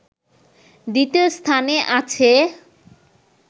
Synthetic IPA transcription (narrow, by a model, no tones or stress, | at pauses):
d̪it̪iost̪ʰaneʔat͡ɕʰe